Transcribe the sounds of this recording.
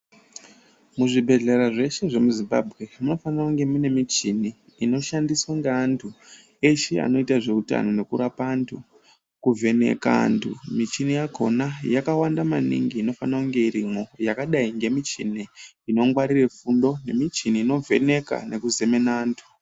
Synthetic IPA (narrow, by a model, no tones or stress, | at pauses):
muʐibʱe̞ɮe̞ɾaʐe̞ʃe̞ʐe̞muzimba̰bʱɣe̞muno̞fanakuŋɡe̞mune̞mit͡ʃiniː | no̞ʃandiswaŋɡeaːntʰu | e̞ʃea̰no̞itaʐe̞uta̰no̞ne̞kuɾapaːntʰu | kuve̞nḛka̰ntʰṵmit͡ʃinijako̞̰najakawandamanḭŋɡiːno̞fanakuŋɡe̞iɾimo̞jakaɗaiŋɡe̞mit͡ʃini | ino̞ŋɡwaɾire̞fundo̞ne̞mit͡ʃiniːno̞ve̞̰ne̞ka̰nʔe̞kuze̞me̞naːntʰu̥